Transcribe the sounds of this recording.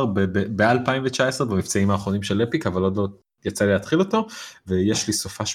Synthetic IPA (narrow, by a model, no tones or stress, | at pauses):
bebebealpaimvet͡ʃaesʁebamift͡saimaːχʁo̞nimʃe̞lepikavalod̪lo | jat͡salileat̪χilo̞to̞ve̞jeʃlisofaʃ